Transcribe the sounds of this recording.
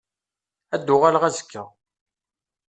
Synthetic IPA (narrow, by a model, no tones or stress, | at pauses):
æd̪ːʊʁalʁæzə̥kʰːəʁ